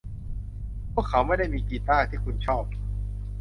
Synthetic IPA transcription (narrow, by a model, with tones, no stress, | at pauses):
pʰu˥˩əkʰːa˩˦˥wma˥˩jda˥˩jmiː˧kiː˧t̪aː˥˩t̪ʰiː˥˩kʰu˧nt͡ɕʰɔː˥˩p̚